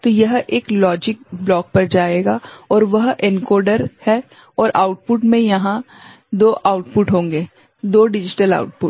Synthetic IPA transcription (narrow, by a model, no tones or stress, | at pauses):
t̪oːjɐɦʔeːklɔːd͡ʒɪk̚blɔːk̚pɐɾd͡ʒaːeːɡaːɔːɾʋɐɦɪnkɔːɾɖəɾhɛ | ɔːɾʔa̰ːʊʈ̚pʊʈmẽjɐɦã | d̪oːʔaːʊʈpʊʈɦõːŋɡeː | d̪oːɖɪd͡ʒɪʈəla̰ːʊʈ̚pʊʈ